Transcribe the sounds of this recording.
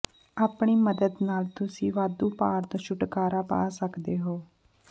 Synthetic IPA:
aːpɳiːməd̪əd̪naːlt̪ʊsĩːʋaːd̪uːpaːɾt̪õːʃʊʈkaːɾaːpa̰ːsəkd̪eːɦoː

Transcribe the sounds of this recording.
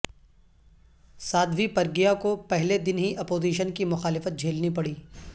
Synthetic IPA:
saːd̪ʋipɐɾɡijakopɛɦled̪ɪnɦiʔɐpoːziːʃənkimʊxaːlɪfət̪̚d͡ʒʱeːlnipɐɽiː

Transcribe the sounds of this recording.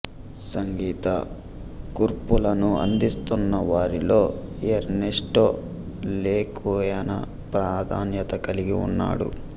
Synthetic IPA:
sɐŋɡiːt̪ɐ | kuɾpulɐnuɐ̰nd̪ist̪unːɐʋaːɾilo̞ːeɾneʂʈoː | leːkoːjɐnɐ̰ | pɾaːd̪ʱaːnjɐt̪ɐkɐliɡiṵnːa̰ːɽṵ

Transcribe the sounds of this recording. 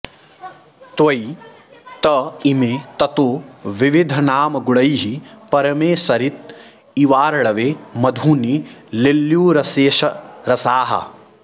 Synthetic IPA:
t̪ʋɐj | t̪ɐimeːt̪ɐt̪oːʋiʋid̪ʱɐnaːmɐɡuɭɐjɦipɐɾɐmeːsɐɾit̪̚ | iʋaːɾɐɭɐʋeːmɐd̪ʱuːnililːjuːɾɐseːʃɐɾɐsaːɦɐ̰

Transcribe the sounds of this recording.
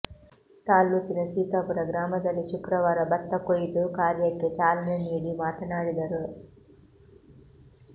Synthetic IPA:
t̪aːlːut̪inɐsiːt̪apuɾɐɡɾaːmɐd̪ɐlːiʃukɾɐʋaːɾɐbɐt̪ːɐkojiʈ̪ukaːɾjɐkːet͡ʃaːlɐneniːɽimaːt̪ɐnaːɽid̪ɐɾu

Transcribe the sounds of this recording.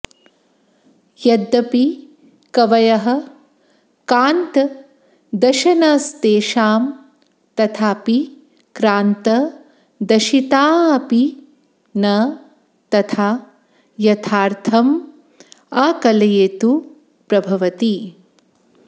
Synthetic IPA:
jɐd̪ːɐpi | kɐʋɐjɐɦɐ̆ | kaːnt̪ | d̪ɐʃɐnɐst̪eːʃaːm | t̪ɐt̪ʰaːpi | kɾaːnt̪ɐ | d̪ɐʃit̪aːɐpi | nɐ | t̪ɐt̪ʰaː | jɐt̪ʰaːɾt̪ʰɐm | aːkɐlɐjeːt̪u | pɾɐbʱɐʋɐt̪i

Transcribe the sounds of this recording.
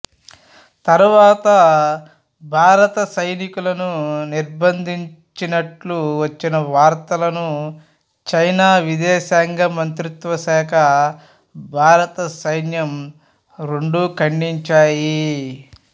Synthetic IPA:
t̪ɐɾuʋaːt̪ɐ | bʱaːɾɐt̪ɐsɐjnikulɐnuniɾbɐnd̪ʱiɲ | t͡ʃinɐʈluʋɐt͡ʃːinɐʋaːɾt̪ɐlɐnu | t͡ʃɐjnaːʋid̪ɛːʃaːŋɡɐmɐnt̪ɾut̪ʋɐʃaːkʰɐ | bʱaːɾɐt̪ɐsɐjnjɐm | ɾeɳɖuːkɐɳɖiɲt͡ʃaːji

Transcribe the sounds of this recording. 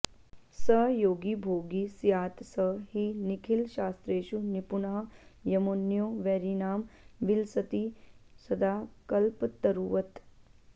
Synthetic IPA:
səjoːɡibʱoːɡisjaːt̪səɦɦinɪkʰɪlʃaːst̪ɾeːʃunɪpʊnəɦjɐmoːnːjoːʋɛːɾiːnaːmʋɪlsət̪isɐd̪aːkɐlpt̪ɐɾuːʋət̪

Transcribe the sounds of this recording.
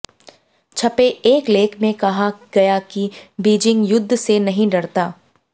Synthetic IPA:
t͡ʃʰɐpeeːkleːkʰmẽkɐɦaɡ̥ɐjakibiːd͡ʒɪ̃ŋɡjʊd̪ʱːsenɐɦĩɖɐɽt̪aː

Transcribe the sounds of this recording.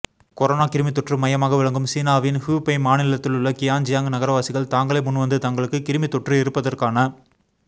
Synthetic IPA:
kɔɾonaːkɪɾɯmɪt̪ːɔʈrɯmɐjɐmaːɣɐʋɪɭɐŋɡɯmsiːnaːʋɪnhuːpɐɪmaːnɪlɐt̪ːɪlɯɭːɐkɪjaːnd͡ʒɪjaːŋɡɯnɐɣɐɾɐʋaːsɪɣɐɭt̪aːŋɡɐɭɐɪmʊnːʋɐnd̪ɯt̪aŋɡɐɭɯkːɯkɪɾɯmɪt̪ːɔʈrɯɪɾɯpːɐðɐrkaːnɐ

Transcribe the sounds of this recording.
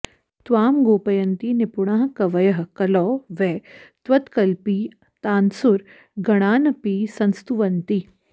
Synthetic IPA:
t̪ʋaːmɡoːpɐjɐnt̪inɪpuɳaːɦkɐʋɐjɐɦkɐlɔːʋɛːt̪ʋɐt̪kɐlpiː | t̪aːnsʊɾ | ɡɐɽ̃aːnɐpiːsɐnst̪uʋɐnt̪i

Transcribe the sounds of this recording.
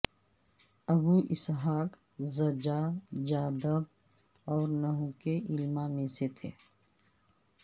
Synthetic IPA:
ɐbuʔɪsɦaːk | zəd͡ʒad͡ʒaːd̪əb̚ | ɔːɾnɐɦũkeʔɪlmamẽset̪ʰḛː

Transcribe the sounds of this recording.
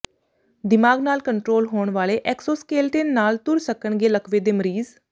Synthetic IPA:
d̪ɪmaːɡnaːlkəɳʈɾoːlɦoːɳʋaːleːʔɛːksoːskeːlʈeːnːaːlt̪ʊɾsəkəɳɡeːləkʰʋeːd̪eːməɾiːz

